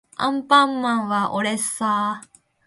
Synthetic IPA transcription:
ã̰mpamːãʋaʔoɾesa

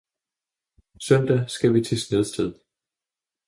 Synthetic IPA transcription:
sœn̰d̥æsɡ̥æʋit͡sʰe̝sneð̞ˠsd̥eð̞̰ˠ

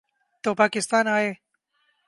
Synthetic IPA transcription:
t̪oːpaːkɪst̪aːnaːje

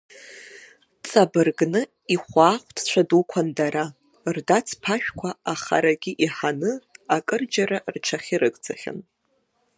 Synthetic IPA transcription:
t͡sʼabɨrɡnɨ | iχʷaːχʷtʰt͡ɕʷʰadukʷʰandaɾa | rdat͡sʰpʰaʃᶣkʷʰaaχa̰ɾaɡʲiʔiħanɨakʼɨrd͡ʒaɾarʈ͡ʂʰaχʲiɾɨkʼd͡zaχʲa̰n

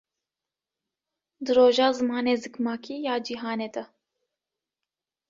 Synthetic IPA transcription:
d̪ɨɾoːʒɑːzɨmɑːneːzɨkmɑːkʰiːjɑːd͡ʒiɦɑːneːd̪ɐ

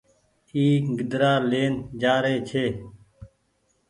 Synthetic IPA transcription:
iːɡɪd̪ɾaːleːnd͡ʒaːɾeːt͡ʃʰeː

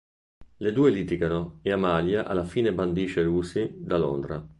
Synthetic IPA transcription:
led̪uːeliːt̪iɡanoeamaljaʔa̰lafiːneband̪iːt͡ʃeɾuːsid̪alo̰nd̪ɾa

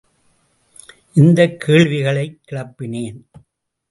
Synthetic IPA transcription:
ʔɪnd̪ɐkʰːeːɭʋɪɣɐɭɐɪkːɪɭɐpːɪneːn

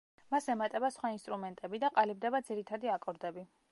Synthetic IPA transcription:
masɛmat̪ʼɛbasχwainst̪ʼɾumɛnt̪ʼɛbid̪aqʼalibd̪ɛbad̪ziɾit̪ʰad̪iakʼɔɾd̪ɛbi

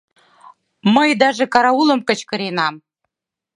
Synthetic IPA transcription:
mɤ̆jd̪ɑʒĕkɑɾɑulˠɤ̆mkɤ̆t͡ɕkɤ̆ɾenɑm

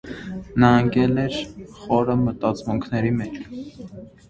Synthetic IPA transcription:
nɑŋɡɛlɛɾχɔɾəmət̪ɑt͡smuŋkʰnɛɾimɛt͡ʃʰ

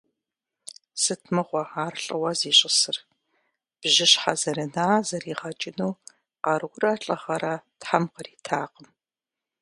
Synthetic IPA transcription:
sɨtʰmɨʁʷɔaːrɬʼɨwɐziːɕʼɪsɨr | b̥ʒɪɕħazɐɾɐnaːzɐriːʁɐt͡ʃʼɪnuː | qɑɾɡʷʊrɐːɬʼɐχɐɾɐtħamqəriːtʰaːqəm

